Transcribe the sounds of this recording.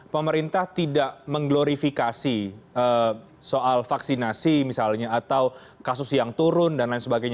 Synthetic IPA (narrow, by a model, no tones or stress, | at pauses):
pəməɾint̪aht̪idaʔməŋɡloɾifikasiə | soʔalfaksinasimisalɲaːt̪aw | kasʊsjaŋt̪uɾʊndanlaɪnsəbaɡajɲa